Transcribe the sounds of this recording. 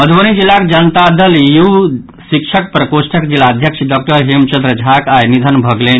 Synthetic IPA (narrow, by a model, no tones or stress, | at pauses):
məd̪ʱʋənid͡ʑilak̚d͡ʑənt̪ad̪əlju | ɕikʂək̚pɾəkosʈʰəkd͡ʑilad̪ʱjəkʂɖɔk̚ʈəɾɦimt͡ɕɐnd̪ɾəd͡ʑʱakajnid̪ʱənbʱəɡlen